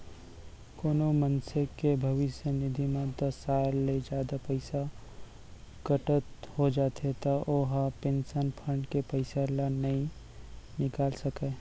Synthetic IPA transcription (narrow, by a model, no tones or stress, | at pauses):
koːnomə̃nsekebʱɐʋɪʃjənɪd̪ʱimãd̪ɐsːaːlːed͡ʒjaːd̪apɐɪsa | ɡ̥ɐʈət̪hod͡ʒaːt̪ʰet̪aʔoɦapẽːnsənpʰəɳɖkepɐɪselanɐɦĩ | nɪkaːlsɐkeː